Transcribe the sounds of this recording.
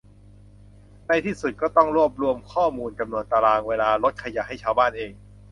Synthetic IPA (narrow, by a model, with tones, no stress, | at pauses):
da˥˩jt̪ʰiː˥˩su˨˩t̪̚kɔː˥˩t̪ɔ˥˩ŋɾu˥˩əp̚ɾu˧˩əmkʰɔː˥˩muː˧nt͡ɕa˧mnu˧ənt̪a˧laː˧ŋweː˧laː˧ɾo˦˥t̪̚kʰa˧ja˨˩ɦa˥˩jt͡ɕʰaː˧wbaː˥˩nʔeː˧ŋ